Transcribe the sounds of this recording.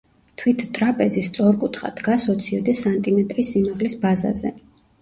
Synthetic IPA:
t̪ʰwit̪ʰt̪ʼɾapʼɛzist̪sʼɔɾkʼut̪ʰχa̰d̪̥ɡasɔt̪sʰiɔd̪ɛsant̪ʼimɛt̪ʼɾisːimaʁlisbaza̰zɛ̰

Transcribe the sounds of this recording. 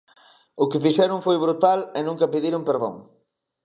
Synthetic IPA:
ʊkɪfiʃɛɾʊŋfojβɾut̪alɪnũŋkɐpiðiɾompeɾðõ̰ŋ

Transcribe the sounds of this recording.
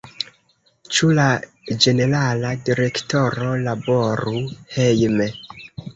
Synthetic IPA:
t͡ʃula | d͡ʒe̞ne̞ɾaladiɾe̞kto̞ɾo̞labo̞ɾuhejme

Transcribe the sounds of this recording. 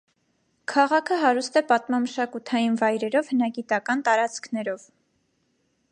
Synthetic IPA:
kʰɑʁɑkʰəɦɑɾust̪ɛpɑt̪mɑməʃɑkut̪ʰɑjinvɑjɾɛɾɔvhənɑɡit̪ɑkɑnt̪ɑɾɑt͡skʰnɛɾɔv

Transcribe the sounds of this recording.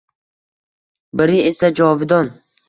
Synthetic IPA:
bɪɾie̞sad͡ʒɒvɪd̪ɒn

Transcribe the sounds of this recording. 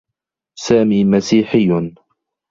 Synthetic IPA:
saːmiːmasiːħɪjː

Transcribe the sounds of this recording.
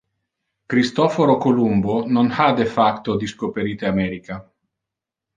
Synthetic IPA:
kɾist̪ofoɾokolumbononhad̪efakt̪od̪iskopeɾit̪eamɛɾika

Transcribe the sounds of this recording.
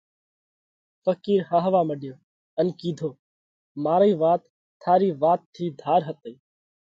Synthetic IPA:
fəkiːɾɦãːɦəʋaːməɗjoː | ənkiːd̪ʱoː | maːɾiːʋaːt̪ʰː | aːɾiːʋaːt̪ʰːiːd̪ʱaːɾɦət̪əː

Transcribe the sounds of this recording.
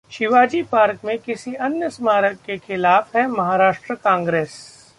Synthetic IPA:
ʃɪʋaːd͡ʒipaːɾkmẽkɪsiɐnjəsmaːɾəkːexɪlaːfɦɛmɐɦaːɾaːʃʈɾəkãːŋɡɾeːs

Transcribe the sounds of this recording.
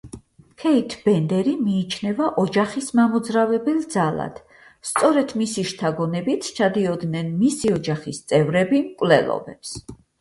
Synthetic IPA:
kʰɛit̪ʰb̥ɛnd̪ɛɾimiːt͡ʃʰnɛvaʔɔd͡ʒaχismamɔd̪zɾavɛbɛlˠd̪zalˠa̰d̪̥ | st̪sʼɔɾɛt̪ʰmisiʃt̪ʰaɡɔnɛbit̪ʰt͡ʃʰad̪iɔd̪nɛnmisiɔd͡ʒaχist̪sʼɛvɾɛbimkʼwvlɛ̰lˠɔ̰bɛ̰ps

